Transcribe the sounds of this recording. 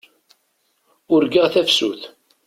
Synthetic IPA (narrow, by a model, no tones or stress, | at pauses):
ʊɾɡəʁθæfsuθ